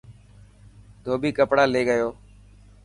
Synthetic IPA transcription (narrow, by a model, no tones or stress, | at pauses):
d̪ʱoːbiːkəpɽaːleːɠəjoː